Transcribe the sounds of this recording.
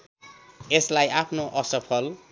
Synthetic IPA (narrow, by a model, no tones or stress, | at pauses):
eslajapʰnoʔʌsʌpʰʌl